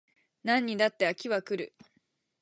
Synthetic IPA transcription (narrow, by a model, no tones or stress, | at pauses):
nãɲ̟ːid̪at̪ːeakʲiβakɯ̟ɾɯ̟